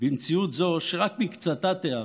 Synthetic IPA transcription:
bimt͡siut̪zo̞ʃeʁakmikt͡sat̪at̪ea

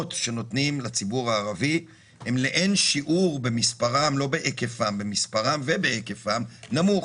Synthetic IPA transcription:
tʃe̞no̞tnimlat͡sibuʁaːʁavi | he̞mleʔenʃiʔuʁbe̞mispaʁamlo̞beʔekefambemispaʁamvebeekefamnamuχ

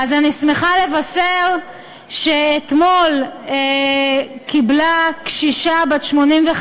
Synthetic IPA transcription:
azanismeχale̞vaseʁ | ʃeːt̪mo̞le | kiblakʃiʃabatʃmo̞nimveχ

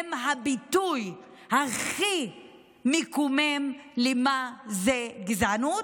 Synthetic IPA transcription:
mɦabituj | haχi | mekumemlemazeɡzanu

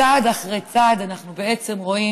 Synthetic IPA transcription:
ad̪aχʁejt͡sad̪anaχnubee̞t͡se̞mʁo̞i

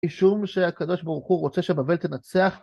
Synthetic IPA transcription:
iʃumʃe̞akad̪o̞ʃbaʁuχuʁo̞t͡se̞ʃebave̞lt̪enat͡seaχ

